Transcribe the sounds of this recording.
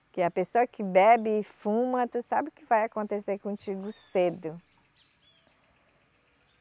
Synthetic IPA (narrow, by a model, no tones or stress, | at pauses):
kɪɐpesoɐkɪbɛbɪːfũmɐt̪usabɪʊkɪvajakõnt̪eseɾkõt͡ʃiɡʊsed̪ʊ